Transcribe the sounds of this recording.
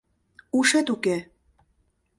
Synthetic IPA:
uʃet̪uke

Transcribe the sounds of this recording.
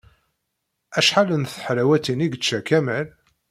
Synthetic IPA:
æʃħalənθħɾæwæt̪iniɡət͡ʃːækæmæl

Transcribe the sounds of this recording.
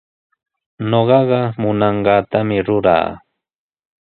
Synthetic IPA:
noɢɑɢɑmʊnɑɴɢɑːt̪amɪɾʊɾa̰ː

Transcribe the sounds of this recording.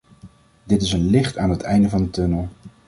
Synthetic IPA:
dɪtɪsənlɪχtaːnɦətʰɛjndəvɑndətɵnəlˠ

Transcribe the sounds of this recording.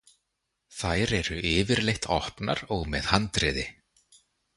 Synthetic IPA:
θajɾɛɾʏɪːvɪɾlejht̪ʰɔhpna̰ɾɔɣmɛðhant̪ɾɪːðɪ

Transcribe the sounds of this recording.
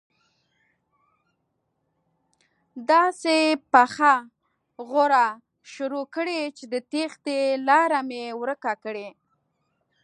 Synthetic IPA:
d̪ɑsepaxa | ɣoɾa | ʃʊɾokəɽet͡ʃed̪ət̪ext̪elɑɾamewɾəkakəɽe

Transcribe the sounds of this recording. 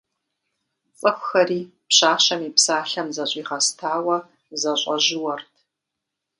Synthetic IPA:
t͡sʼɨxʷxɐriː | pɕaːʃɐmiːpsaːɬɐmzɐɕʼiːχɐstʰaːwɐ | zɐɕʷʼɐʒɪwɐrtʰ

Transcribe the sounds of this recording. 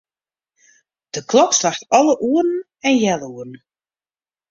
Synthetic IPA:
d̥əkʰlɔkslaxtɔlˠəʔuərn̩ | ɛnjɛlˠuərn̩

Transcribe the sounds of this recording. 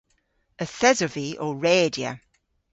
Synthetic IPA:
əθɛzəviʔɔːɹeːdiə̰

